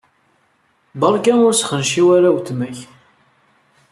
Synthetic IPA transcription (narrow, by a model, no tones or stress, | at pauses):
bɑɾˤkænʊɾsχənʃiwaɾawt̪mæç